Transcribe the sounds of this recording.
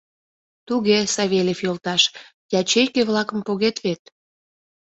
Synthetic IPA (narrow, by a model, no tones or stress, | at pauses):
t̪uɣesɑβʲelʲefjolt̪ɑʃ | jʲɑt͡ɕejkeβlɑkə̆mpoɣet̪βet̪̚